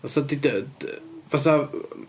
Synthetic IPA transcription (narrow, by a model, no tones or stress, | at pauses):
vaθadid | vaθa